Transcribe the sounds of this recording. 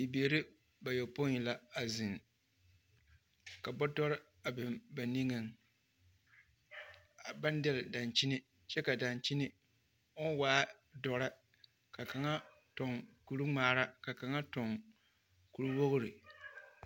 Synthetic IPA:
i˨beː˨ɾɪ˦ | ba˨jɛ˨po˦ɲi˨la˦a˨zɪ˨n | ka˨bɔ˦tɔ˦ɾɪ˦ | a˨bɪ˨mba˨ni˦ŋɨ˨ŋ | a˨ba˦n˦dɪ˦lɪ˨da˨nt͡ʃi˦nɪ˦ | t͡ʃɛ˦ka˨da˨nt͡ʃi˦nɪ˦ | ʊ˦n˦waː˦ | dɔ˨ɾa˦ | ka˨ka˨ŋa˦ | tɔ˨ŋku˨ɾɨ˦ŋ͡maː˨ɾa˦ka˨ka˨ŋa˦tɔ˨ŋ | ku˨ɾu˦wo˦ɣʊ˦ɾi˨

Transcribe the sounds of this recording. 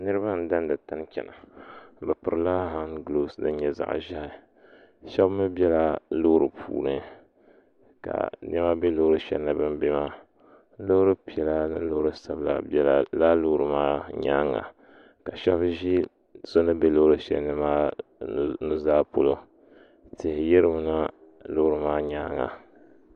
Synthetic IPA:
nɨ˦ɾɨ˦ba˦n̩˦da˦n˦dɨ˨ta˦n˦kʲɛ̰˨na˨bɨ˨pɨ˨ɾɨ˨laː˦ɦa˦nɡlo˦˨snɨ˦ɲɛ˦za̰˨ʔʒa˦ha˨ | ʃɛ˦bmɨ˦bɛ˦la˦lo˦ɾɨ˨pʰṵː˦˨ɾɨ˦ | ka̰˨ɲʔɛ˦ma˦be˦loː˦ɾɨ˦ʃɛ̰˦lna˦bɨ˦mbe˦ma˦ | lo˦hɾɨ˦pi˨ɛ˨la˦nɨ˦lo˦ɾɨ˦sa˨bla̰˨bla˨laː˦lo˦ɾɨ˨maː˦ɲa̰ː˦ŋa̰˨ | ka˨ʃɛ˦bʒi˦ | so˦nɨ˦be˦lo˦ɨ˦ʃɛ̰˦nɨ˦maː˦ | nu˦zaː˦po˦lo˦ | tɪ˨hɪ˨jɪ˦ɾɨ˦m˨na˦ | lo˦hɾɨ˨maː˦ɲa˦ŋa̰˨

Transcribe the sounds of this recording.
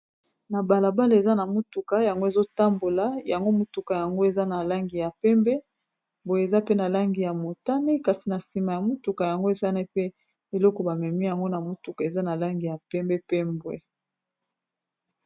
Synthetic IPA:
na˨ba˨la˨ba˦le˨za˦na˨mo˦tu˨ka˦ja˨ŋɡo˦e˨zo˦ta˦mbo˨la˦ja˨ŋɡo˦mo˦tu˨ka˨ja˨ŋɡo˦e˨za˦na˨la˦ŋɡi˨ja˨pɛ˦mbe˦ | bo˨je˨za˦pe˦na˨la˦ŋɡi˨ja˨mo˨ta˦ne˦ka˨si˨na˨si˨ma˨ja˨mo˦tu˨ka˨ja˨ŋɡo˦e˨za˦na˦pe˦ | e˨lɔ˦kɔ˨ba˨mɛ˨mi˦ja˨ŋɡo˦na˨mo˦tu˨ka˨e˨za˦na˨la˦ŋɡi˨ja˨pɛ˦mbɛ˦pe˦mbwḛ˦

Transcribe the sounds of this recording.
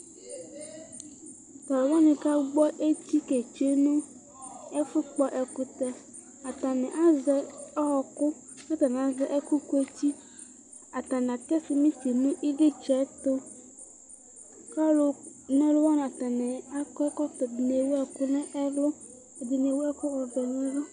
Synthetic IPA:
t̪ɔ˨lʊ˨wɔ˦nɪ̃˨ka˦ɡ͡bɔ˦ʔe˦ti˦ke˨t͡ʃe˦nũ˦ | ɛ˦fʊ˦k͡pɔ˦ʔɛ˨kʊ˨t̪ɛ˦ | a˨t̪a˨nɛ̃˨ʔa˦zɛ˨ɔ˦ɦɔ˨kʊ˦ | ka˦t̪a˨n˨a˨zɛ˦ʔɛ˦kʊ˦ku˦e˦t͡ɕi˦ | a˨t̪a˨n˨a˨kɛ˦sɪ˨mĩ˦si˨mũ˦ʔi˦ɡɪ˦t͡ʃɛ˨˦t̪ʊ˦ | ka˦lʊ˨nɛ˦lʊ˦wɔ˦n˨a˨t̪a˨nɛ˨a˦kɔ˦kɔ˦t̪ɔ˨dɪ˨ne˨wɛ˨kʊ˦nɛ˦ʔɛ˦lʊ˦˨ | dɪ˨ne˨wɛ˦kʊ˦ɔ˨vɛ˨nĩ˦lɔ˦

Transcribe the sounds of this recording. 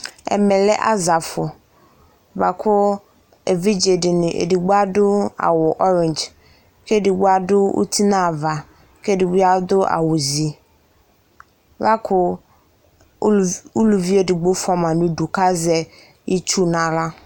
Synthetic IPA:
ɛ̰˨mɛ˨lɛ˦ʔa̰˦za˨fʊ˨ | va˨kʰʊ˦ | e˨vi˦d͡ʒe˨dɪ˨nɪ˨ʔḛ˨di˨ɡ͡ba˦dʊ˦a̰˨wʊ˨ʔɔ˦ɾɪ̃˨nd͡ʒ | ke˦˨dɪ˨ɡ͡bʊ˦a˦˨dʊ˦ṵ˦t̪ʰi˦nã˦˨va˨ | ke˦˨dɪ˨ɡ͡bi˦a˦d̪ʊ˦a̰˨wʊ˨zi˨ | va˦kʰʊ˦ | u˦lu˨vi˦e˨dɪ˨ɡ͡bo˦fɔ˨mã˨nʊ̃˦du˨ka˦zɛ˨ | i˦t͡ʃu˦nã˨la˦

